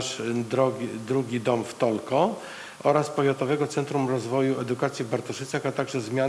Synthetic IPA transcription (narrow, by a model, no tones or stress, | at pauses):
ʂd̪ɾɔd̪ɾuɡʲid̪ɔmft̪ɔlkɔ | ʔɔɾaspɔvʲjat̪ɔvɛɡɔt̪sɛnt̪ɾumɾɔzvɔjuʔɛd̪ukat̪sʲjivbaɾt̪ɔʂɘt̪saxat̪aɡʐɛzmʲja